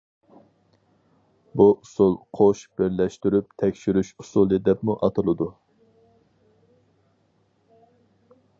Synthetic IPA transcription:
buʔusulˠqʰoʃb̥ɪɾlɛʃt̪yɾyp̚t̪ʰɛkʲʃyɾyʃusulˠid̪ɛpmuʔɑt̪ʰɨlˠɨd̪u

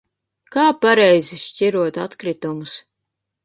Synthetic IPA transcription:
kaːpaɾɛjziʃt͡ʃʲiɾuɔt̪at̪kɾit̪umus

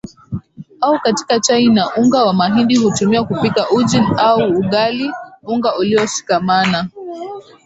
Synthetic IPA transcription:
aukati̥kat͡ʃainaʔuŋɡawamaɦinɗihutumiwakupikaʔud͡ʒinauːɠaliuŋɡaʔuliɔʃi̥kamana

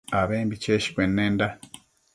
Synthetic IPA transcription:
aβeːmbit͡ʃeʃi̥kwenːenda

